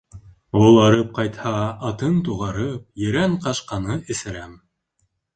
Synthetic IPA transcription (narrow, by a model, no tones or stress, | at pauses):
ulˠɑɾɤp̚qɑjt̪hɑːt̪ɤnt̪uʁɑɾɤp̚jɘ̆ɾæɴqɑʃqɑnɤɘ̆sɘ̆ɾæm